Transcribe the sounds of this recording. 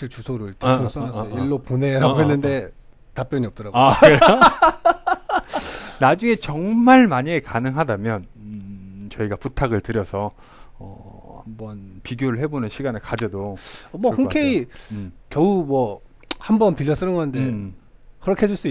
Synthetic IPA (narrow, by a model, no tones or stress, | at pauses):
iɭt͡ɕusʰoɾɯɭtos͈ʌaʌiɭːopone̞ɾaoɦenːɯnde̞ | tap͈jʌɲiʌp̚t͈ʌɾaɡak | nad͡ʑuŋe̞t͡ɕʌŋmaɭmaɲiekanɯŋɦadamjʌn | t͡ɕʌiɡaputʰaɡɯɭtɯɾjʌsʰʌ | ʌ̰ | hambʌnpiɡjoɾɯɭhe̞bonɯnɕʰiɡanɯɭkad͡ʑʌdomwʌɯɸuŋkʰei | kjʌumwʌ | hambʌnpiʎːʌs͈ɯnɯnɡʌnɯnde | kɯɾʌkʰeɦed͡ʑuɭs͈ui